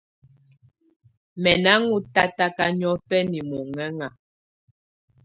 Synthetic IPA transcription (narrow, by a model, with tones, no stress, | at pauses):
mɛ˨na˦ŋu˦ta˦ta˦ka˦ɲɔ˦pɛ˦ni˨mɔ˨ŋɛ˦ŋa˨